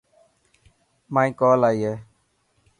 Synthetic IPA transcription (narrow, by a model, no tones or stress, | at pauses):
mãːĩːkoːlaːiːɦeː